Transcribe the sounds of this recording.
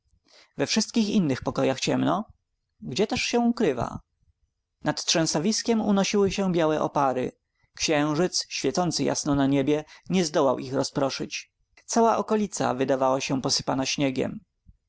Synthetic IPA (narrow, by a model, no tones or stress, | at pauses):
vɛfʂɘst̪̚kʲixinːɘxpɔkɔjaxt͡ɕɛmnɔ | ɡd͡ʑɛt̪ɛʂɕɛ̃ukɾɘva̰ | nat̪tʂɛ̃w̃savʲiskʲɛmunɔɕiwɘɕɛ̃bʲjawɛʔɔ̰paɾɘ̰ | kɕɛ̃w̃ʐɘt̪sɕfʲjɛt̪sɔnt̪sɘja̰snɔnaɲebʲjɛɲɛzd̪ɔwawʔixɾɔspɾɔʂɘ̰t͡ɕ | t̪sawaʔɔkɔlʲit̪sa̰vɘd̪avawaɕɛpɔsɘ̥panaɕɲɛɡʲɛ̰m